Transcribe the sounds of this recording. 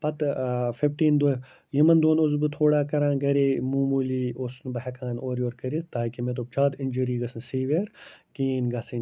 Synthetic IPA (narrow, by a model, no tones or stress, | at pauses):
pɐt̪fifʈiːnd̪o | jimɐnd̪oːnozbɨt̪ʰoːɽaːkɐɾãːɡɐɾeːmuːmuːliːosnbɐɦɐkãːnoːɾjoːɾkɐɾit̪aːkimẽt̪oːp̚t͡ʃaːd̪ɪnʲd͡ʒuɾiːɡɐsɐnsiːʋeːɾkijiːnɡaːsin